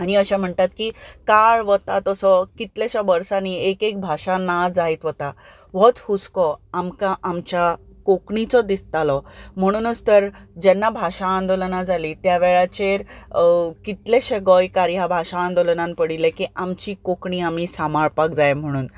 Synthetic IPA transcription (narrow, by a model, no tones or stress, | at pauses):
añiəɕam̤əɳt̪at̪kiːkaɭʋət̪at̪ɔsɔkit̪laɕabəɾsaniekek̚bʱaʂanad͡zait̪ʋət̪a | ʋɔt͡shuskɔamkaʔamt͡ɕjakokɳit͡sɔd̪ist̪alɔm̤əɽ̃uːnət͡st̪əɾd͡ʑɛnːabʱaʂaːnd̪olənãd͡zalit̪jaʋeɭat͡ɕeɾ | kit̪leɕeɡɔjkaɾiɦabʱaɕãːnd̪olənãnpəɽilekiʔamt͡ɕiːkokɳiːamisamaɾpakd͡zajm̤əɽ̃uːn